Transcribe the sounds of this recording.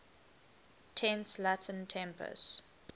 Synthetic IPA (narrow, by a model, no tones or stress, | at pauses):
tʰɛ̃nslatə̃ntʰɛ̃mpʰə̰s